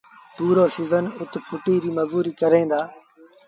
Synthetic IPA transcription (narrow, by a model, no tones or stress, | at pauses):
puːɾoːsɪzənʊt̪pʰʊʈiːɾiːməzuːɾiːkəɾẽːnd̪aː